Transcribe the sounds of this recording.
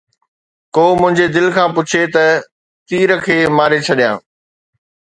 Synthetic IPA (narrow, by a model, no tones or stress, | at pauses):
koːmʊ̃ɦɪ̃ɲd͡ʑed̪ɪlkʰãːpʊt͡ɕʰet̪ɐ | t̪iːɾəkʰeːmaːɾet͡ɕʰɐɗijãː